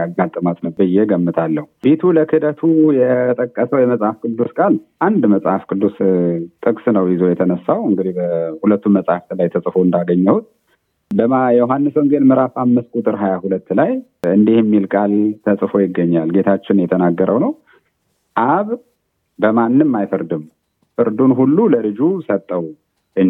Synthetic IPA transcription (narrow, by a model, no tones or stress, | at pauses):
aɡat̪ʼːɨmat̪ʼnəwbɨjːɛɡəmːɨt̪ʰalːəhubit̪ʰuləkʰɨd̪ət̪ʰujɛt̪ʼəkʼːəsəwjɛməsʼhafkʰʼɨd̪ːuskʼalʔand̪məsʼha̰fkʰʼɨd̪ːust̪ʼɨkʼsnəwjɪzo̞jɛt̪ʰənəsːawɨŋɡɨd̪ihbəhulət̪ːunməsʼhaft̪ɨlajt̪ʰəsʼfo̞ɨnd̪aɡəɲːəhut̪̚ | bəmajɛjɦhanːɨsoŋɡelmɨɾafamːɨst̪kʼut̪ʼɨɾɦajahulət̪ːlaj | ɨnd̪ihɛmːilkʼalt̪ʰəsʼɨfo̞jɪɡːəɲːalɡe̞t̪ʰat͡ʃːɪnjɛt̪ʰənaɡːəɾʔəwnəw | ʔaβ | bəmanːɨmːajfɨɾd̪ɨm | fɨɾd̪unɦulːuləlɨd͡ʒusət̪ʼːəw | ʔɨ